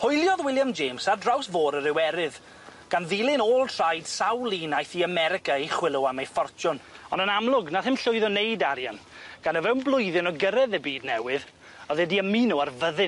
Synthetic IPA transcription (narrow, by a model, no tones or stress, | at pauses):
hʊjlˠjɔðwɪlˠjamd͡ʒeːmsadrawsvoːɾəɾɪwɛɾɪð | ɡ̥anðilˠɪnoːlˠtʰr̥ajd̥sawlˠinajθiamɛɾɪkaiχwɪlˠʊamejfɔrt͡ʃʊnɔnənamlˠʊɡnaθɪmɬʊɨðɔnejdaɾjan | ɡ̥anəvɛwnblˠʊjðɪnɔɡəɾɛðəbiːdnɛwɪð | ɔðɛdiəminuarvəðɪn